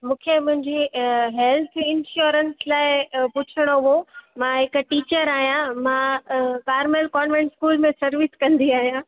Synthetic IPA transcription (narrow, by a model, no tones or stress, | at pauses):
mũːkʰemʊ̃ɦɪ̃ɲd͡ʑiɦɛlt̪ʰɪ̃nʃuːɾənslaːɪpʊt͡ɕʰəɽ̃oɦomãɦɪkʈiːt͡ɕəɾaːɦijãmãkaːɾmelkɔːnʋẽɳʈskuːlmẽsɐɾʋɪskɐ̃nd̪iaːɦijã